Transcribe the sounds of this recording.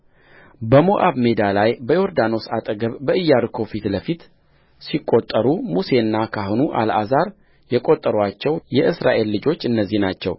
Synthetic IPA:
bəmoʔaβme̞d̪alajbəjo̞ɾd̪ano̞sat̪ʼəɡəβːəɨjːaɾɨkʰo̞fit̪ləfit̪ | sikʼːot̪ʼːəɾumuse̞ɨnːakʰahonuʔa̰lʔa̰zaɾ | jɛkʼo̞t̪ʼːəɾwat͡ʃːɛwjɛʔɨsɾa̰ʔe̞lːɨd͡ʒo̞t͡ʃːɨnːəzːihnat͡ʃːɛ̰w

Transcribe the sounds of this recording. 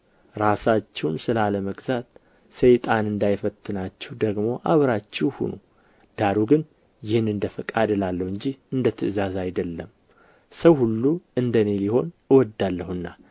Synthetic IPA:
ɾasat͡ʃːɛwnsɨlaləməɡzat̪ | səjt̪ʼanɨnd̪ajfət̪ʰːɨnat͡ʃːɛwd̪əɡmo̞ʔaβɾat͡ʃːɛwhṵnu | d̪̥aɾuɡɨn | jɪhɨnɨnd̪əfəkʼad̪ɨlalːəhwɨɲd͡ʒihɨnd̪ət̪ʰːɨɨzazajd̪əlːəm | səwhulːuɨnd̪əne̞liho̞nɨwɔd̪ːalːəhɨnːa

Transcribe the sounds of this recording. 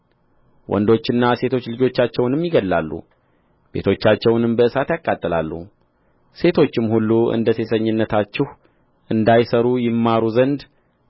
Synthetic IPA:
wʔɔ̰nd̪o̞t͡ʃːɪnːase̞t̪ʰo̞t͡ʃːlɨd͡ʒo̞t͡ʃːat͡ʃːɛwnɨmjɪɡəlːa̰lːṵ | b̥e̞̰t̪ʰo̞t͡ʃːat͡ʃːɛwnɨmbəɨsat̪jakʼːat̪ʼːəla̰lːṵ | se̞t̪ʰo̞t͡ʃːɪmhulːuʔɨ̰nd̪əse̞səɲːɪnːət̪ʰat͡ʃːɪh | ʔɨnd̪ajsəɾujɪmːaɾuzənd̪

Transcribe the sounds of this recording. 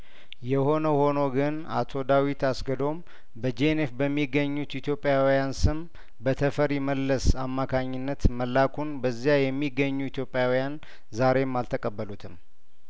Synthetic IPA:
jɛho̞nəho̞noɡɨn | a̰t̪ʰo̞d̪awit̪ʰasɡəd̪o̞m | bəd͡ʒenefbəmːiɡːəɲːut̪it̪ʰjo̞pʼːjawijansɨm | bət̪ʰəfəɾjɪməlːəsamːakʰaɲːɪnːət̪məlːakʰunbəzːijajɛmːiɡːəɲːuit̪ʰjo̞pʼːjawjan | zaɾe̞mːalt̪ʰəkʼəbːəlut̪ʰɨm

